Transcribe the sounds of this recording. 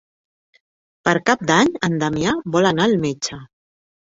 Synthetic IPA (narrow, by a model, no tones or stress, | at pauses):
pəɾkap̚d̪aɲənd̪amiabɔlanaːlmet͡ʃə